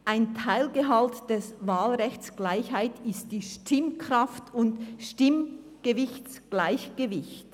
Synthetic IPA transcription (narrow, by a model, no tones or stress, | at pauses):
ʔaɪntʰaɪlɡəɦaltd̥ɛsvaːlʁɛçt͡sɡ̥laɪçhaɪtɪstd̥iːʃtɪmkʁaftʊntʃtɪm | ɡ̥əvɪçt͡sɡ̥laɪçɡ̥əvɪçt